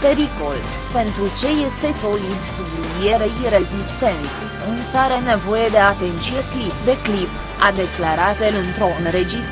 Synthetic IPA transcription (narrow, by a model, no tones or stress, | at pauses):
pe̞ɾiko̞l | pe̞nt̪ɾut͡ʃe̞je̞st̪e̞so̞lid̪subluijeɾeɾe̞zist̪e̞nt̪ | unsaɾene̞vo̞je̞d̪e̞at̪ent͡ʃijeklipd̪e̞klip | ad̪e̞klaɾat̪elɨnt̪ɾo̞ɨnɾe̞d͡ʒis